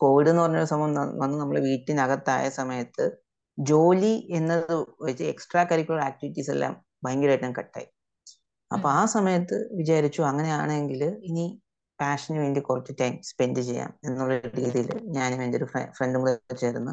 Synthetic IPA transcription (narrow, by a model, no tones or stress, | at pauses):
ko̞ːʋiɽenːɨpɐrɐɲːoɾusɐmɐjɐmɐʋɐnːɨnɐmːɐɭeʋiːʈːinɐɣɐt̪ːaːjɐsɐmɐjɐt̪ːɨ | d͡ʑo̞ːlie̞nːɐððɨʋɐit͡ɕːɨeksʈraːkɐɾikʲːuɭaːk̚tiʋiʈːiːsḛlːa̰ːm | bɐjɐŋɡulɾeːʈːnɐmkɐʈːa̰ːji | ɐ̰pːoaːsɐmɐjɐt̪ːɨ̰ʋid͡ʑaːɾit͡ɕːuɐŋːɐne̞jaːɳɨe̞ŋɡilini | paːʂɐnʋe̞ːɳdikurɐt͡ɕːutɐjmspe̞ndɨt͡ɕe̞jːa̰ːme̞nːuɭːɐɾiːðijilɲaːnmeːndeo̞ɾuḛfreɳɖɨmuðɐt͡ɕːeːɾunːu